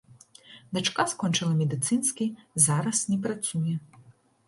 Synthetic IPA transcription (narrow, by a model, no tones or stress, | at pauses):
d̪at͡ʂkaskɔnt͡ʂɨlˠɐmʲɛd̪ɨt̪sɨnsʲkʲizaɾɐsnʲɛpɾat̪sujɛ